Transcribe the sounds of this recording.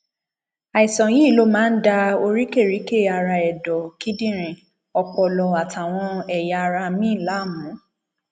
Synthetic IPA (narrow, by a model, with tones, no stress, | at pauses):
a˨i˨sɔ̃˨jĩ˦˨lo˦mãː˦n̩˦da˧o˧ɾi˦ke˦˨ɾi˨˦ke˦˨a˨˧ɾa˧ɛ˨dɔ˨ki˨˦dĩ˦˨ɾ̃ĩ˨ | ɔ˧k͡pɔ˧˨lɔ˨a˨tʰa˨w̃ɔ̃˧ɛ˨ja˧ɾa˧mĩ˦˨la˨˦˨mũ˨˦